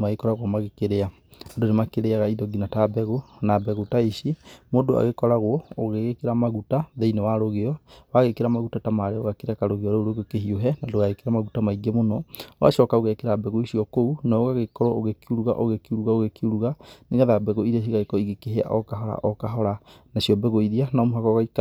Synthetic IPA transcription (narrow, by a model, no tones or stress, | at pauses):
maɣekɔɾaɣwɔmaɣekeɾea | odonemakeɾeaɣaidɔɡinatabɛɣonabɛɣotaiʃimodoa̰ɣekɔɾaɣwɔoɣeɣekeɾamaɣutaðeinewaɾoɣeɔwaɣekeɾamaɣutatamaɾeoɣakeɾeakaɾoɣeɔɾooɾoɣekeɦioɦɛnadoɣaɣekeɾamaɣutamaiɡemonɔoa̰ʃɔkaoɣɛkeɾabɛɣoiʃiɔkounaoɣaɣekɔɾɔoɣekiuɾuɣa̰ʔoɣekiuɾuɣaoɣekiuɾuɣaneɣɛðabɛɣoiɾeʃ̬iɣaekɔiɣekeɦea̰ʔɔkaɦɔɾa̰ʔɔkaɦɔɾa | naʃiɔbɛɣoiðianaːmuɦakɔɣaika